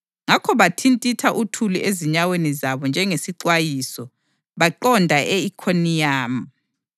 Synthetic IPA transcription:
ŋakʰɔβatʰintʼitʰaʔutʰuluʔeziɲawenizaβɔnd͡ʒʱɛŋesiǀwajisɔ | βaǃɔndʱaʔeikʰonijaːm̩

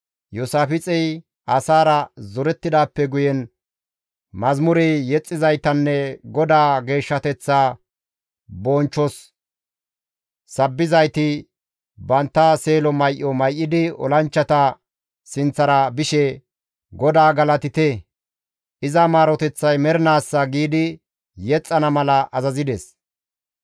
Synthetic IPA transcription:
josaːfɪt͡sʼɛj | ʔɐsaːɾɐzɔɾɛt̪ːɪd̪aːpːɛɡʊjɛn | mɐzmʊɾɛjjɛt͡sʼːɪzɐjt̪ɐnːɛɡɔd̪aːɡe̞ːʃːɐt̪ɛt͡sːaː | bɔːnt͡ʃːɔs | sɐbːɪzɐjt̪ɪ | bɐnt̪ːase̞ːlɔmɐjʔːɔmɐjʔːɪd̪ɪɔ̰lɐnt͡ʃːɐt̪ɐ | sɪnt͡sːɐɾɐbɪʃɛ | ɡɔd̪aːɡɐlɐt̪ɪt̪ɛ | ʔɪzɐmaːɾɔt̪ɛt͡sːɐjmɛɾɪnaːsːɐɡiːd̪ɪ | jɛt͡sʼːɐnɐmɐlɐʔɐzɐzɪd̪ɛs

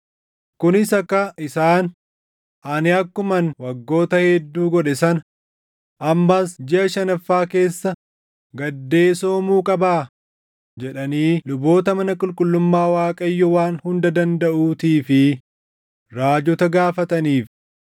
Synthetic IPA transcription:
kʊnɪsɐkːɐʔɪsaːn | ʔɐnɪɐkːʊmɐnwɐɡːo̞ːt̪ɐhɛd̪ːuːɡɔᶑɛsɐn | ʔɐmːasd͡ʒɪʔɐʃɐnɐfːaːke̞ːsːɐ | ɡɐd̪ːe̞ːso̞ːmuːkʼɐbaː | d͡ʒɛᶑɐniːlʊbo̞ːt̪ɐmɐnɐkʼʊlkʼʊlːʊmːaːwaːkʼɐjːɔwaːnhʊnd̪ɐd̪ɐnd̪ɐʔuːt̪iːfɪ | ɾaːd͡ʒɔt̪ɐɡaːfɐt̪ɐniːf

